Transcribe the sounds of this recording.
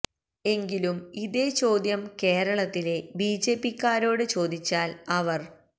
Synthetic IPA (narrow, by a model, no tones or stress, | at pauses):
e̞ŋɡilumiðe̞ːt͡ɕo̞ːd̪jɐmke̞ːɾɐɭɐt̪ːile̞biːd͡ʑe̞ːpːikːaːɾo̞ːɽɨt͡ɕo̞ːd̪it͡ɕːaːlɐʋɐr